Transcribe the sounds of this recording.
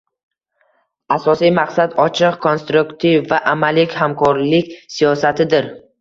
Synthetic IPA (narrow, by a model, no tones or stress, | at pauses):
asɒsijmaqsad̪ɒt͡ʃʰɪqkʰo̞nst̪ɾukt̪ʰivːaʔamalɪkʲhamkʰɒɾlɪkʲsijɒsat̪ʰɪd̪ɪɾ